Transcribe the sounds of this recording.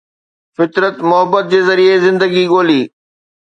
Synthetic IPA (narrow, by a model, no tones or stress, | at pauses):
fɪt̪ɾət̪mʊɦəbːət̪̚d͡ʑeːzɐɾiezɪ̃nd̪əɡiɠoːliː